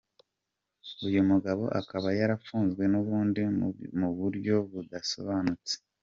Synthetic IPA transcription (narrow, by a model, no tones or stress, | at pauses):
ujumuɡaβo̞̰ʔakaβajaɾafuːnzɡwe̞nuβuːndimuβuɾɟo̞βudaso̞̰βaːnut͡se̥